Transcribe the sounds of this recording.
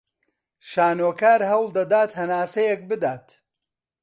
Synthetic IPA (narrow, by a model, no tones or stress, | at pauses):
ʃaːnoːkaːɾɦɐwlˠd̪ɐd̪aːt̪hɐnaːsɐjɛk̚bɨd̪aːt̪